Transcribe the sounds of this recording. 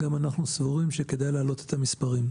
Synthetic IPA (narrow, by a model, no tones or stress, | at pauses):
ɡamanaχnusvuʁimʃeked̪ajlaːlo̞t̪et̪ʰamispaʁim